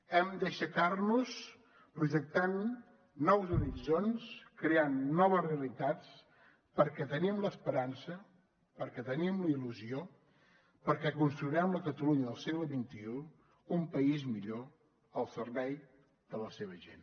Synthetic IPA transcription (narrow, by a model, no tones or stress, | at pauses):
ɛmd̪əʃəkarnus | pɾuʒək̚t̪anː | ɔwzuɾizonskɾeanːɔβəzreəlit̪at͡s | pəɾkɛt̪ənimləspəɾansə | pəɾkɛt̪ənimləiluzio | pəɾkɛkunst̪ɾuiɾɛmləkət̪əluɲəðəlˠsɛɣləβint̪iu | umpəizmiʎo | əlˠsəɾβɛj | d̪̥ələseβ̞əʒḛn